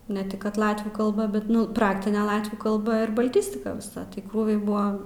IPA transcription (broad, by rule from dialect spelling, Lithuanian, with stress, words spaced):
nʲɛ ˈtʲɪk kɐt ˈlˠɑːtʲʋʲuː kɐlˠˈbɐ bʲɛt ˈnʊ ˈprɑːktʲɪnʲɛ ˈlˠɑːtʲʋʲuː kɐlˠˈbɐ ɪr bɐˈlʲtʲɪsʲtʲɪkɐ ʋʲɪˈsɐ tɐɪ ˈkruːʋʲɛɪ ˈbʊɐ